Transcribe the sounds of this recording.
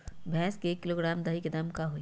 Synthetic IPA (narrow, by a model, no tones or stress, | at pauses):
bʱɛ̃ːskeeːkːɪloːɡɾaːmd̪aːɦiked̪ɐmkaɦoːi